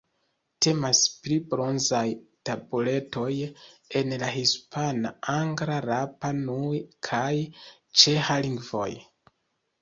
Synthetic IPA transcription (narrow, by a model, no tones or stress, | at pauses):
tʰe̞masplibɾo̞nzajtabule̞to̞je̞nlahispʰanaaŋɡɾaɾapanujkʰaj | t͡ʃe̞haliŋɡvo̞̰j